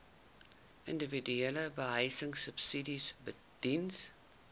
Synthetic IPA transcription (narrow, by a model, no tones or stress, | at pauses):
ʔəndəvidyeləbəɦəjsəŋsəpsidisbə | d̥ins